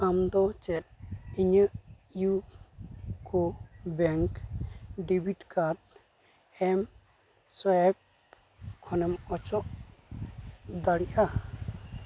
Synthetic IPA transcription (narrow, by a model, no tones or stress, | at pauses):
amd̪ɔt͡ʃɛt̪̚iɲəʔ | ju | kʰɔbɛŋkɖibiʈkaɖ | ɛm | sɔjɛb̚ | kʰɔnɛmɔt͡ʃɔʔ | d̪aɽiʔa